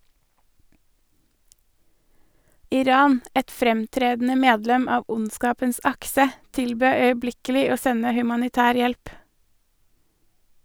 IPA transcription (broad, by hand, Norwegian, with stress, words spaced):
ɪˈɾɑːn ˈɛt ˈfɾɛmˌtɾeːdn̩ə ˈmeːdlɛm ˈɑːʋ ˈʔʊnˌskɑːpəns ˈɑksə ˈtɪlˌbøː œʏəˈblɪkəlɪ ˈoː ˈsɛnə hʉmɑnɪˈtæːɾ ˈjɛlp